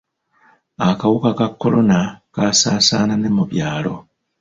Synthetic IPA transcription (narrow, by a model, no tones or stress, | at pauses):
akawukakakːo̞lo̞nakasaːsaːnane̞muβjaːlo̞